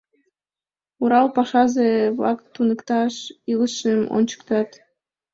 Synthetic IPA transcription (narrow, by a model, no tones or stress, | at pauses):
uɾɑlpɑʃɑzeβlɑ̰kt̪ːunəkt̪ɑʃiləʃəmo̰nʲt͡ɕə̥kt̪ɑt̪